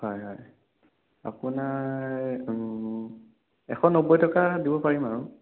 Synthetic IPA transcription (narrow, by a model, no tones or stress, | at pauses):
hɔjɦɔj | a̰puna | ɛ̰xɔnobɔjtɔkadibɔpaɹimaɹũ